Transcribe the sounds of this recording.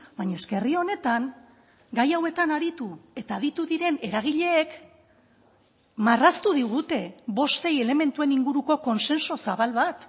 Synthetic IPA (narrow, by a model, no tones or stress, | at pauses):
bajɲaeske̞rio̞ne̞t̪aŋ | ɡajawe̞t̪anaɾit̪ue̞t̪aːðit̪uðiɾe̞ne̞ɾaɣ̞iʎe̞ːk | marast̪uðiɣ̞ut̪e̞βo̞st̪e̞je̞le̞me̞nt̪ue̞niŋɡuɾuko̞ko̞nse̞nso̞saβalβat̪